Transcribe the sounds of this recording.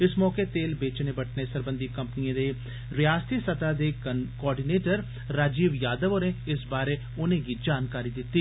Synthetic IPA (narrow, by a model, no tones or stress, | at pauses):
ɪsmɔːkeːt̪eːlbeːt͡ʃneːbəʈʰneːsəɾbə̃nd̪iːkəmpniãːd̪eː | ɾɪjaːst̪iːsət̪aːd̪eːkɔːɾɖiːneːʈəɾ | ɾaːd͡ʒiːʋjaːd̪əʋoːɾẽːɪsbaːɾeː | ʊnẽːɡiːd͡ʒaːnkaːɾiːd̪ɪt̪ːiː